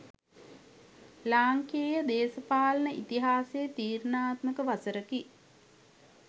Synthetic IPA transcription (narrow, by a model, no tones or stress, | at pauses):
laːŋkeːjəd̪eːsəpaːlənəʔit̪iɦaːseːt̪iːɾnaːt̪məkəʋasəɾəki